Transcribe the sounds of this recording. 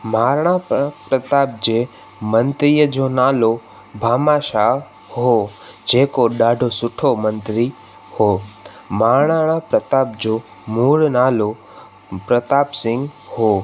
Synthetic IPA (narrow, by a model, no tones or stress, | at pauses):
maːɾɳ̃ãːppɾət̪aːp̚d͡ʒe | mənt̪ɾijəd͡ʒonaːlo | bʱaːmaːʃa | ɦod͡ʒeːkoɗaːɖʱosʊʈʰomənt̪ɾi | ho | maːɾɳ̃ãapɾət̪aːp̚d͡ʒo | muːɽnaːlo | pɾət̪aːpsɪ̃ŋɡhoː